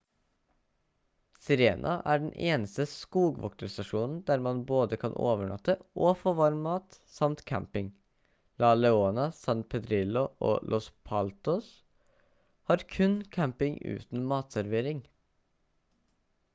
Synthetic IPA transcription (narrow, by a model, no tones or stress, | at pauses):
sɪɾeːnʔɑ̰ʔæːɖn̩ʔeːnəst̪əskuːɡʋɔ̰kt̪əɾst̪ɑʃuːnn̩d̪æːɾmɑnboːd̪əkʰɑnʔo̰ːʋəɳɑ̰t̪əʔoːfoːʋɑɾmmɑːt̪ | sɑmt̪kʰæ̰mpɪŋ | lɑːlɛoːnɑsɑnpʰɛd̪ɾɪlʊʔo̰ːlʔɔspʰɑlt̪ɔs | hɑːɾkʰʉnkʰæmpɪŋʉ̰ːt̪n̩mɑːt̪sæɾʋeːɾɪŋ